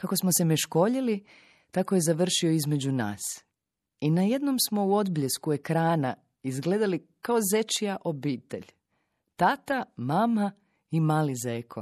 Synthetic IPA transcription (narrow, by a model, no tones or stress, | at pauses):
kako̞smosemeʃko̞ʎili | t̪ako̞je̞zaʋr̩ʃio̞izme̞d͡ʑuna̰ːs | inaje̞d̪no̞msmo̞uo̞d̪bʎe̞skue̞kɾaːna | izɡle̞d̪alikao̞ze̞t͡ʃijaʔo̞biːt̪e̞̰ʎ | t̪at̪amama | imaːlizeːkʰo̰